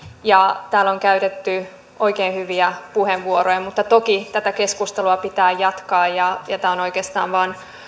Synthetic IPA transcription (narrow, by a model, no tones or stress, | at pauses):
jɑt̪æːloŋkæyt̪et̪ːy | ʔoikeːnhyʋiæpuheʋʋuoɾojɑmut̪ːɑt̪okit̪æt̪æke̞skust̪eluɑpit̪æːjɑt̪kɑːjɑjɑt̪æːonoikeːst̪ɑ̰ːʋʋɑːn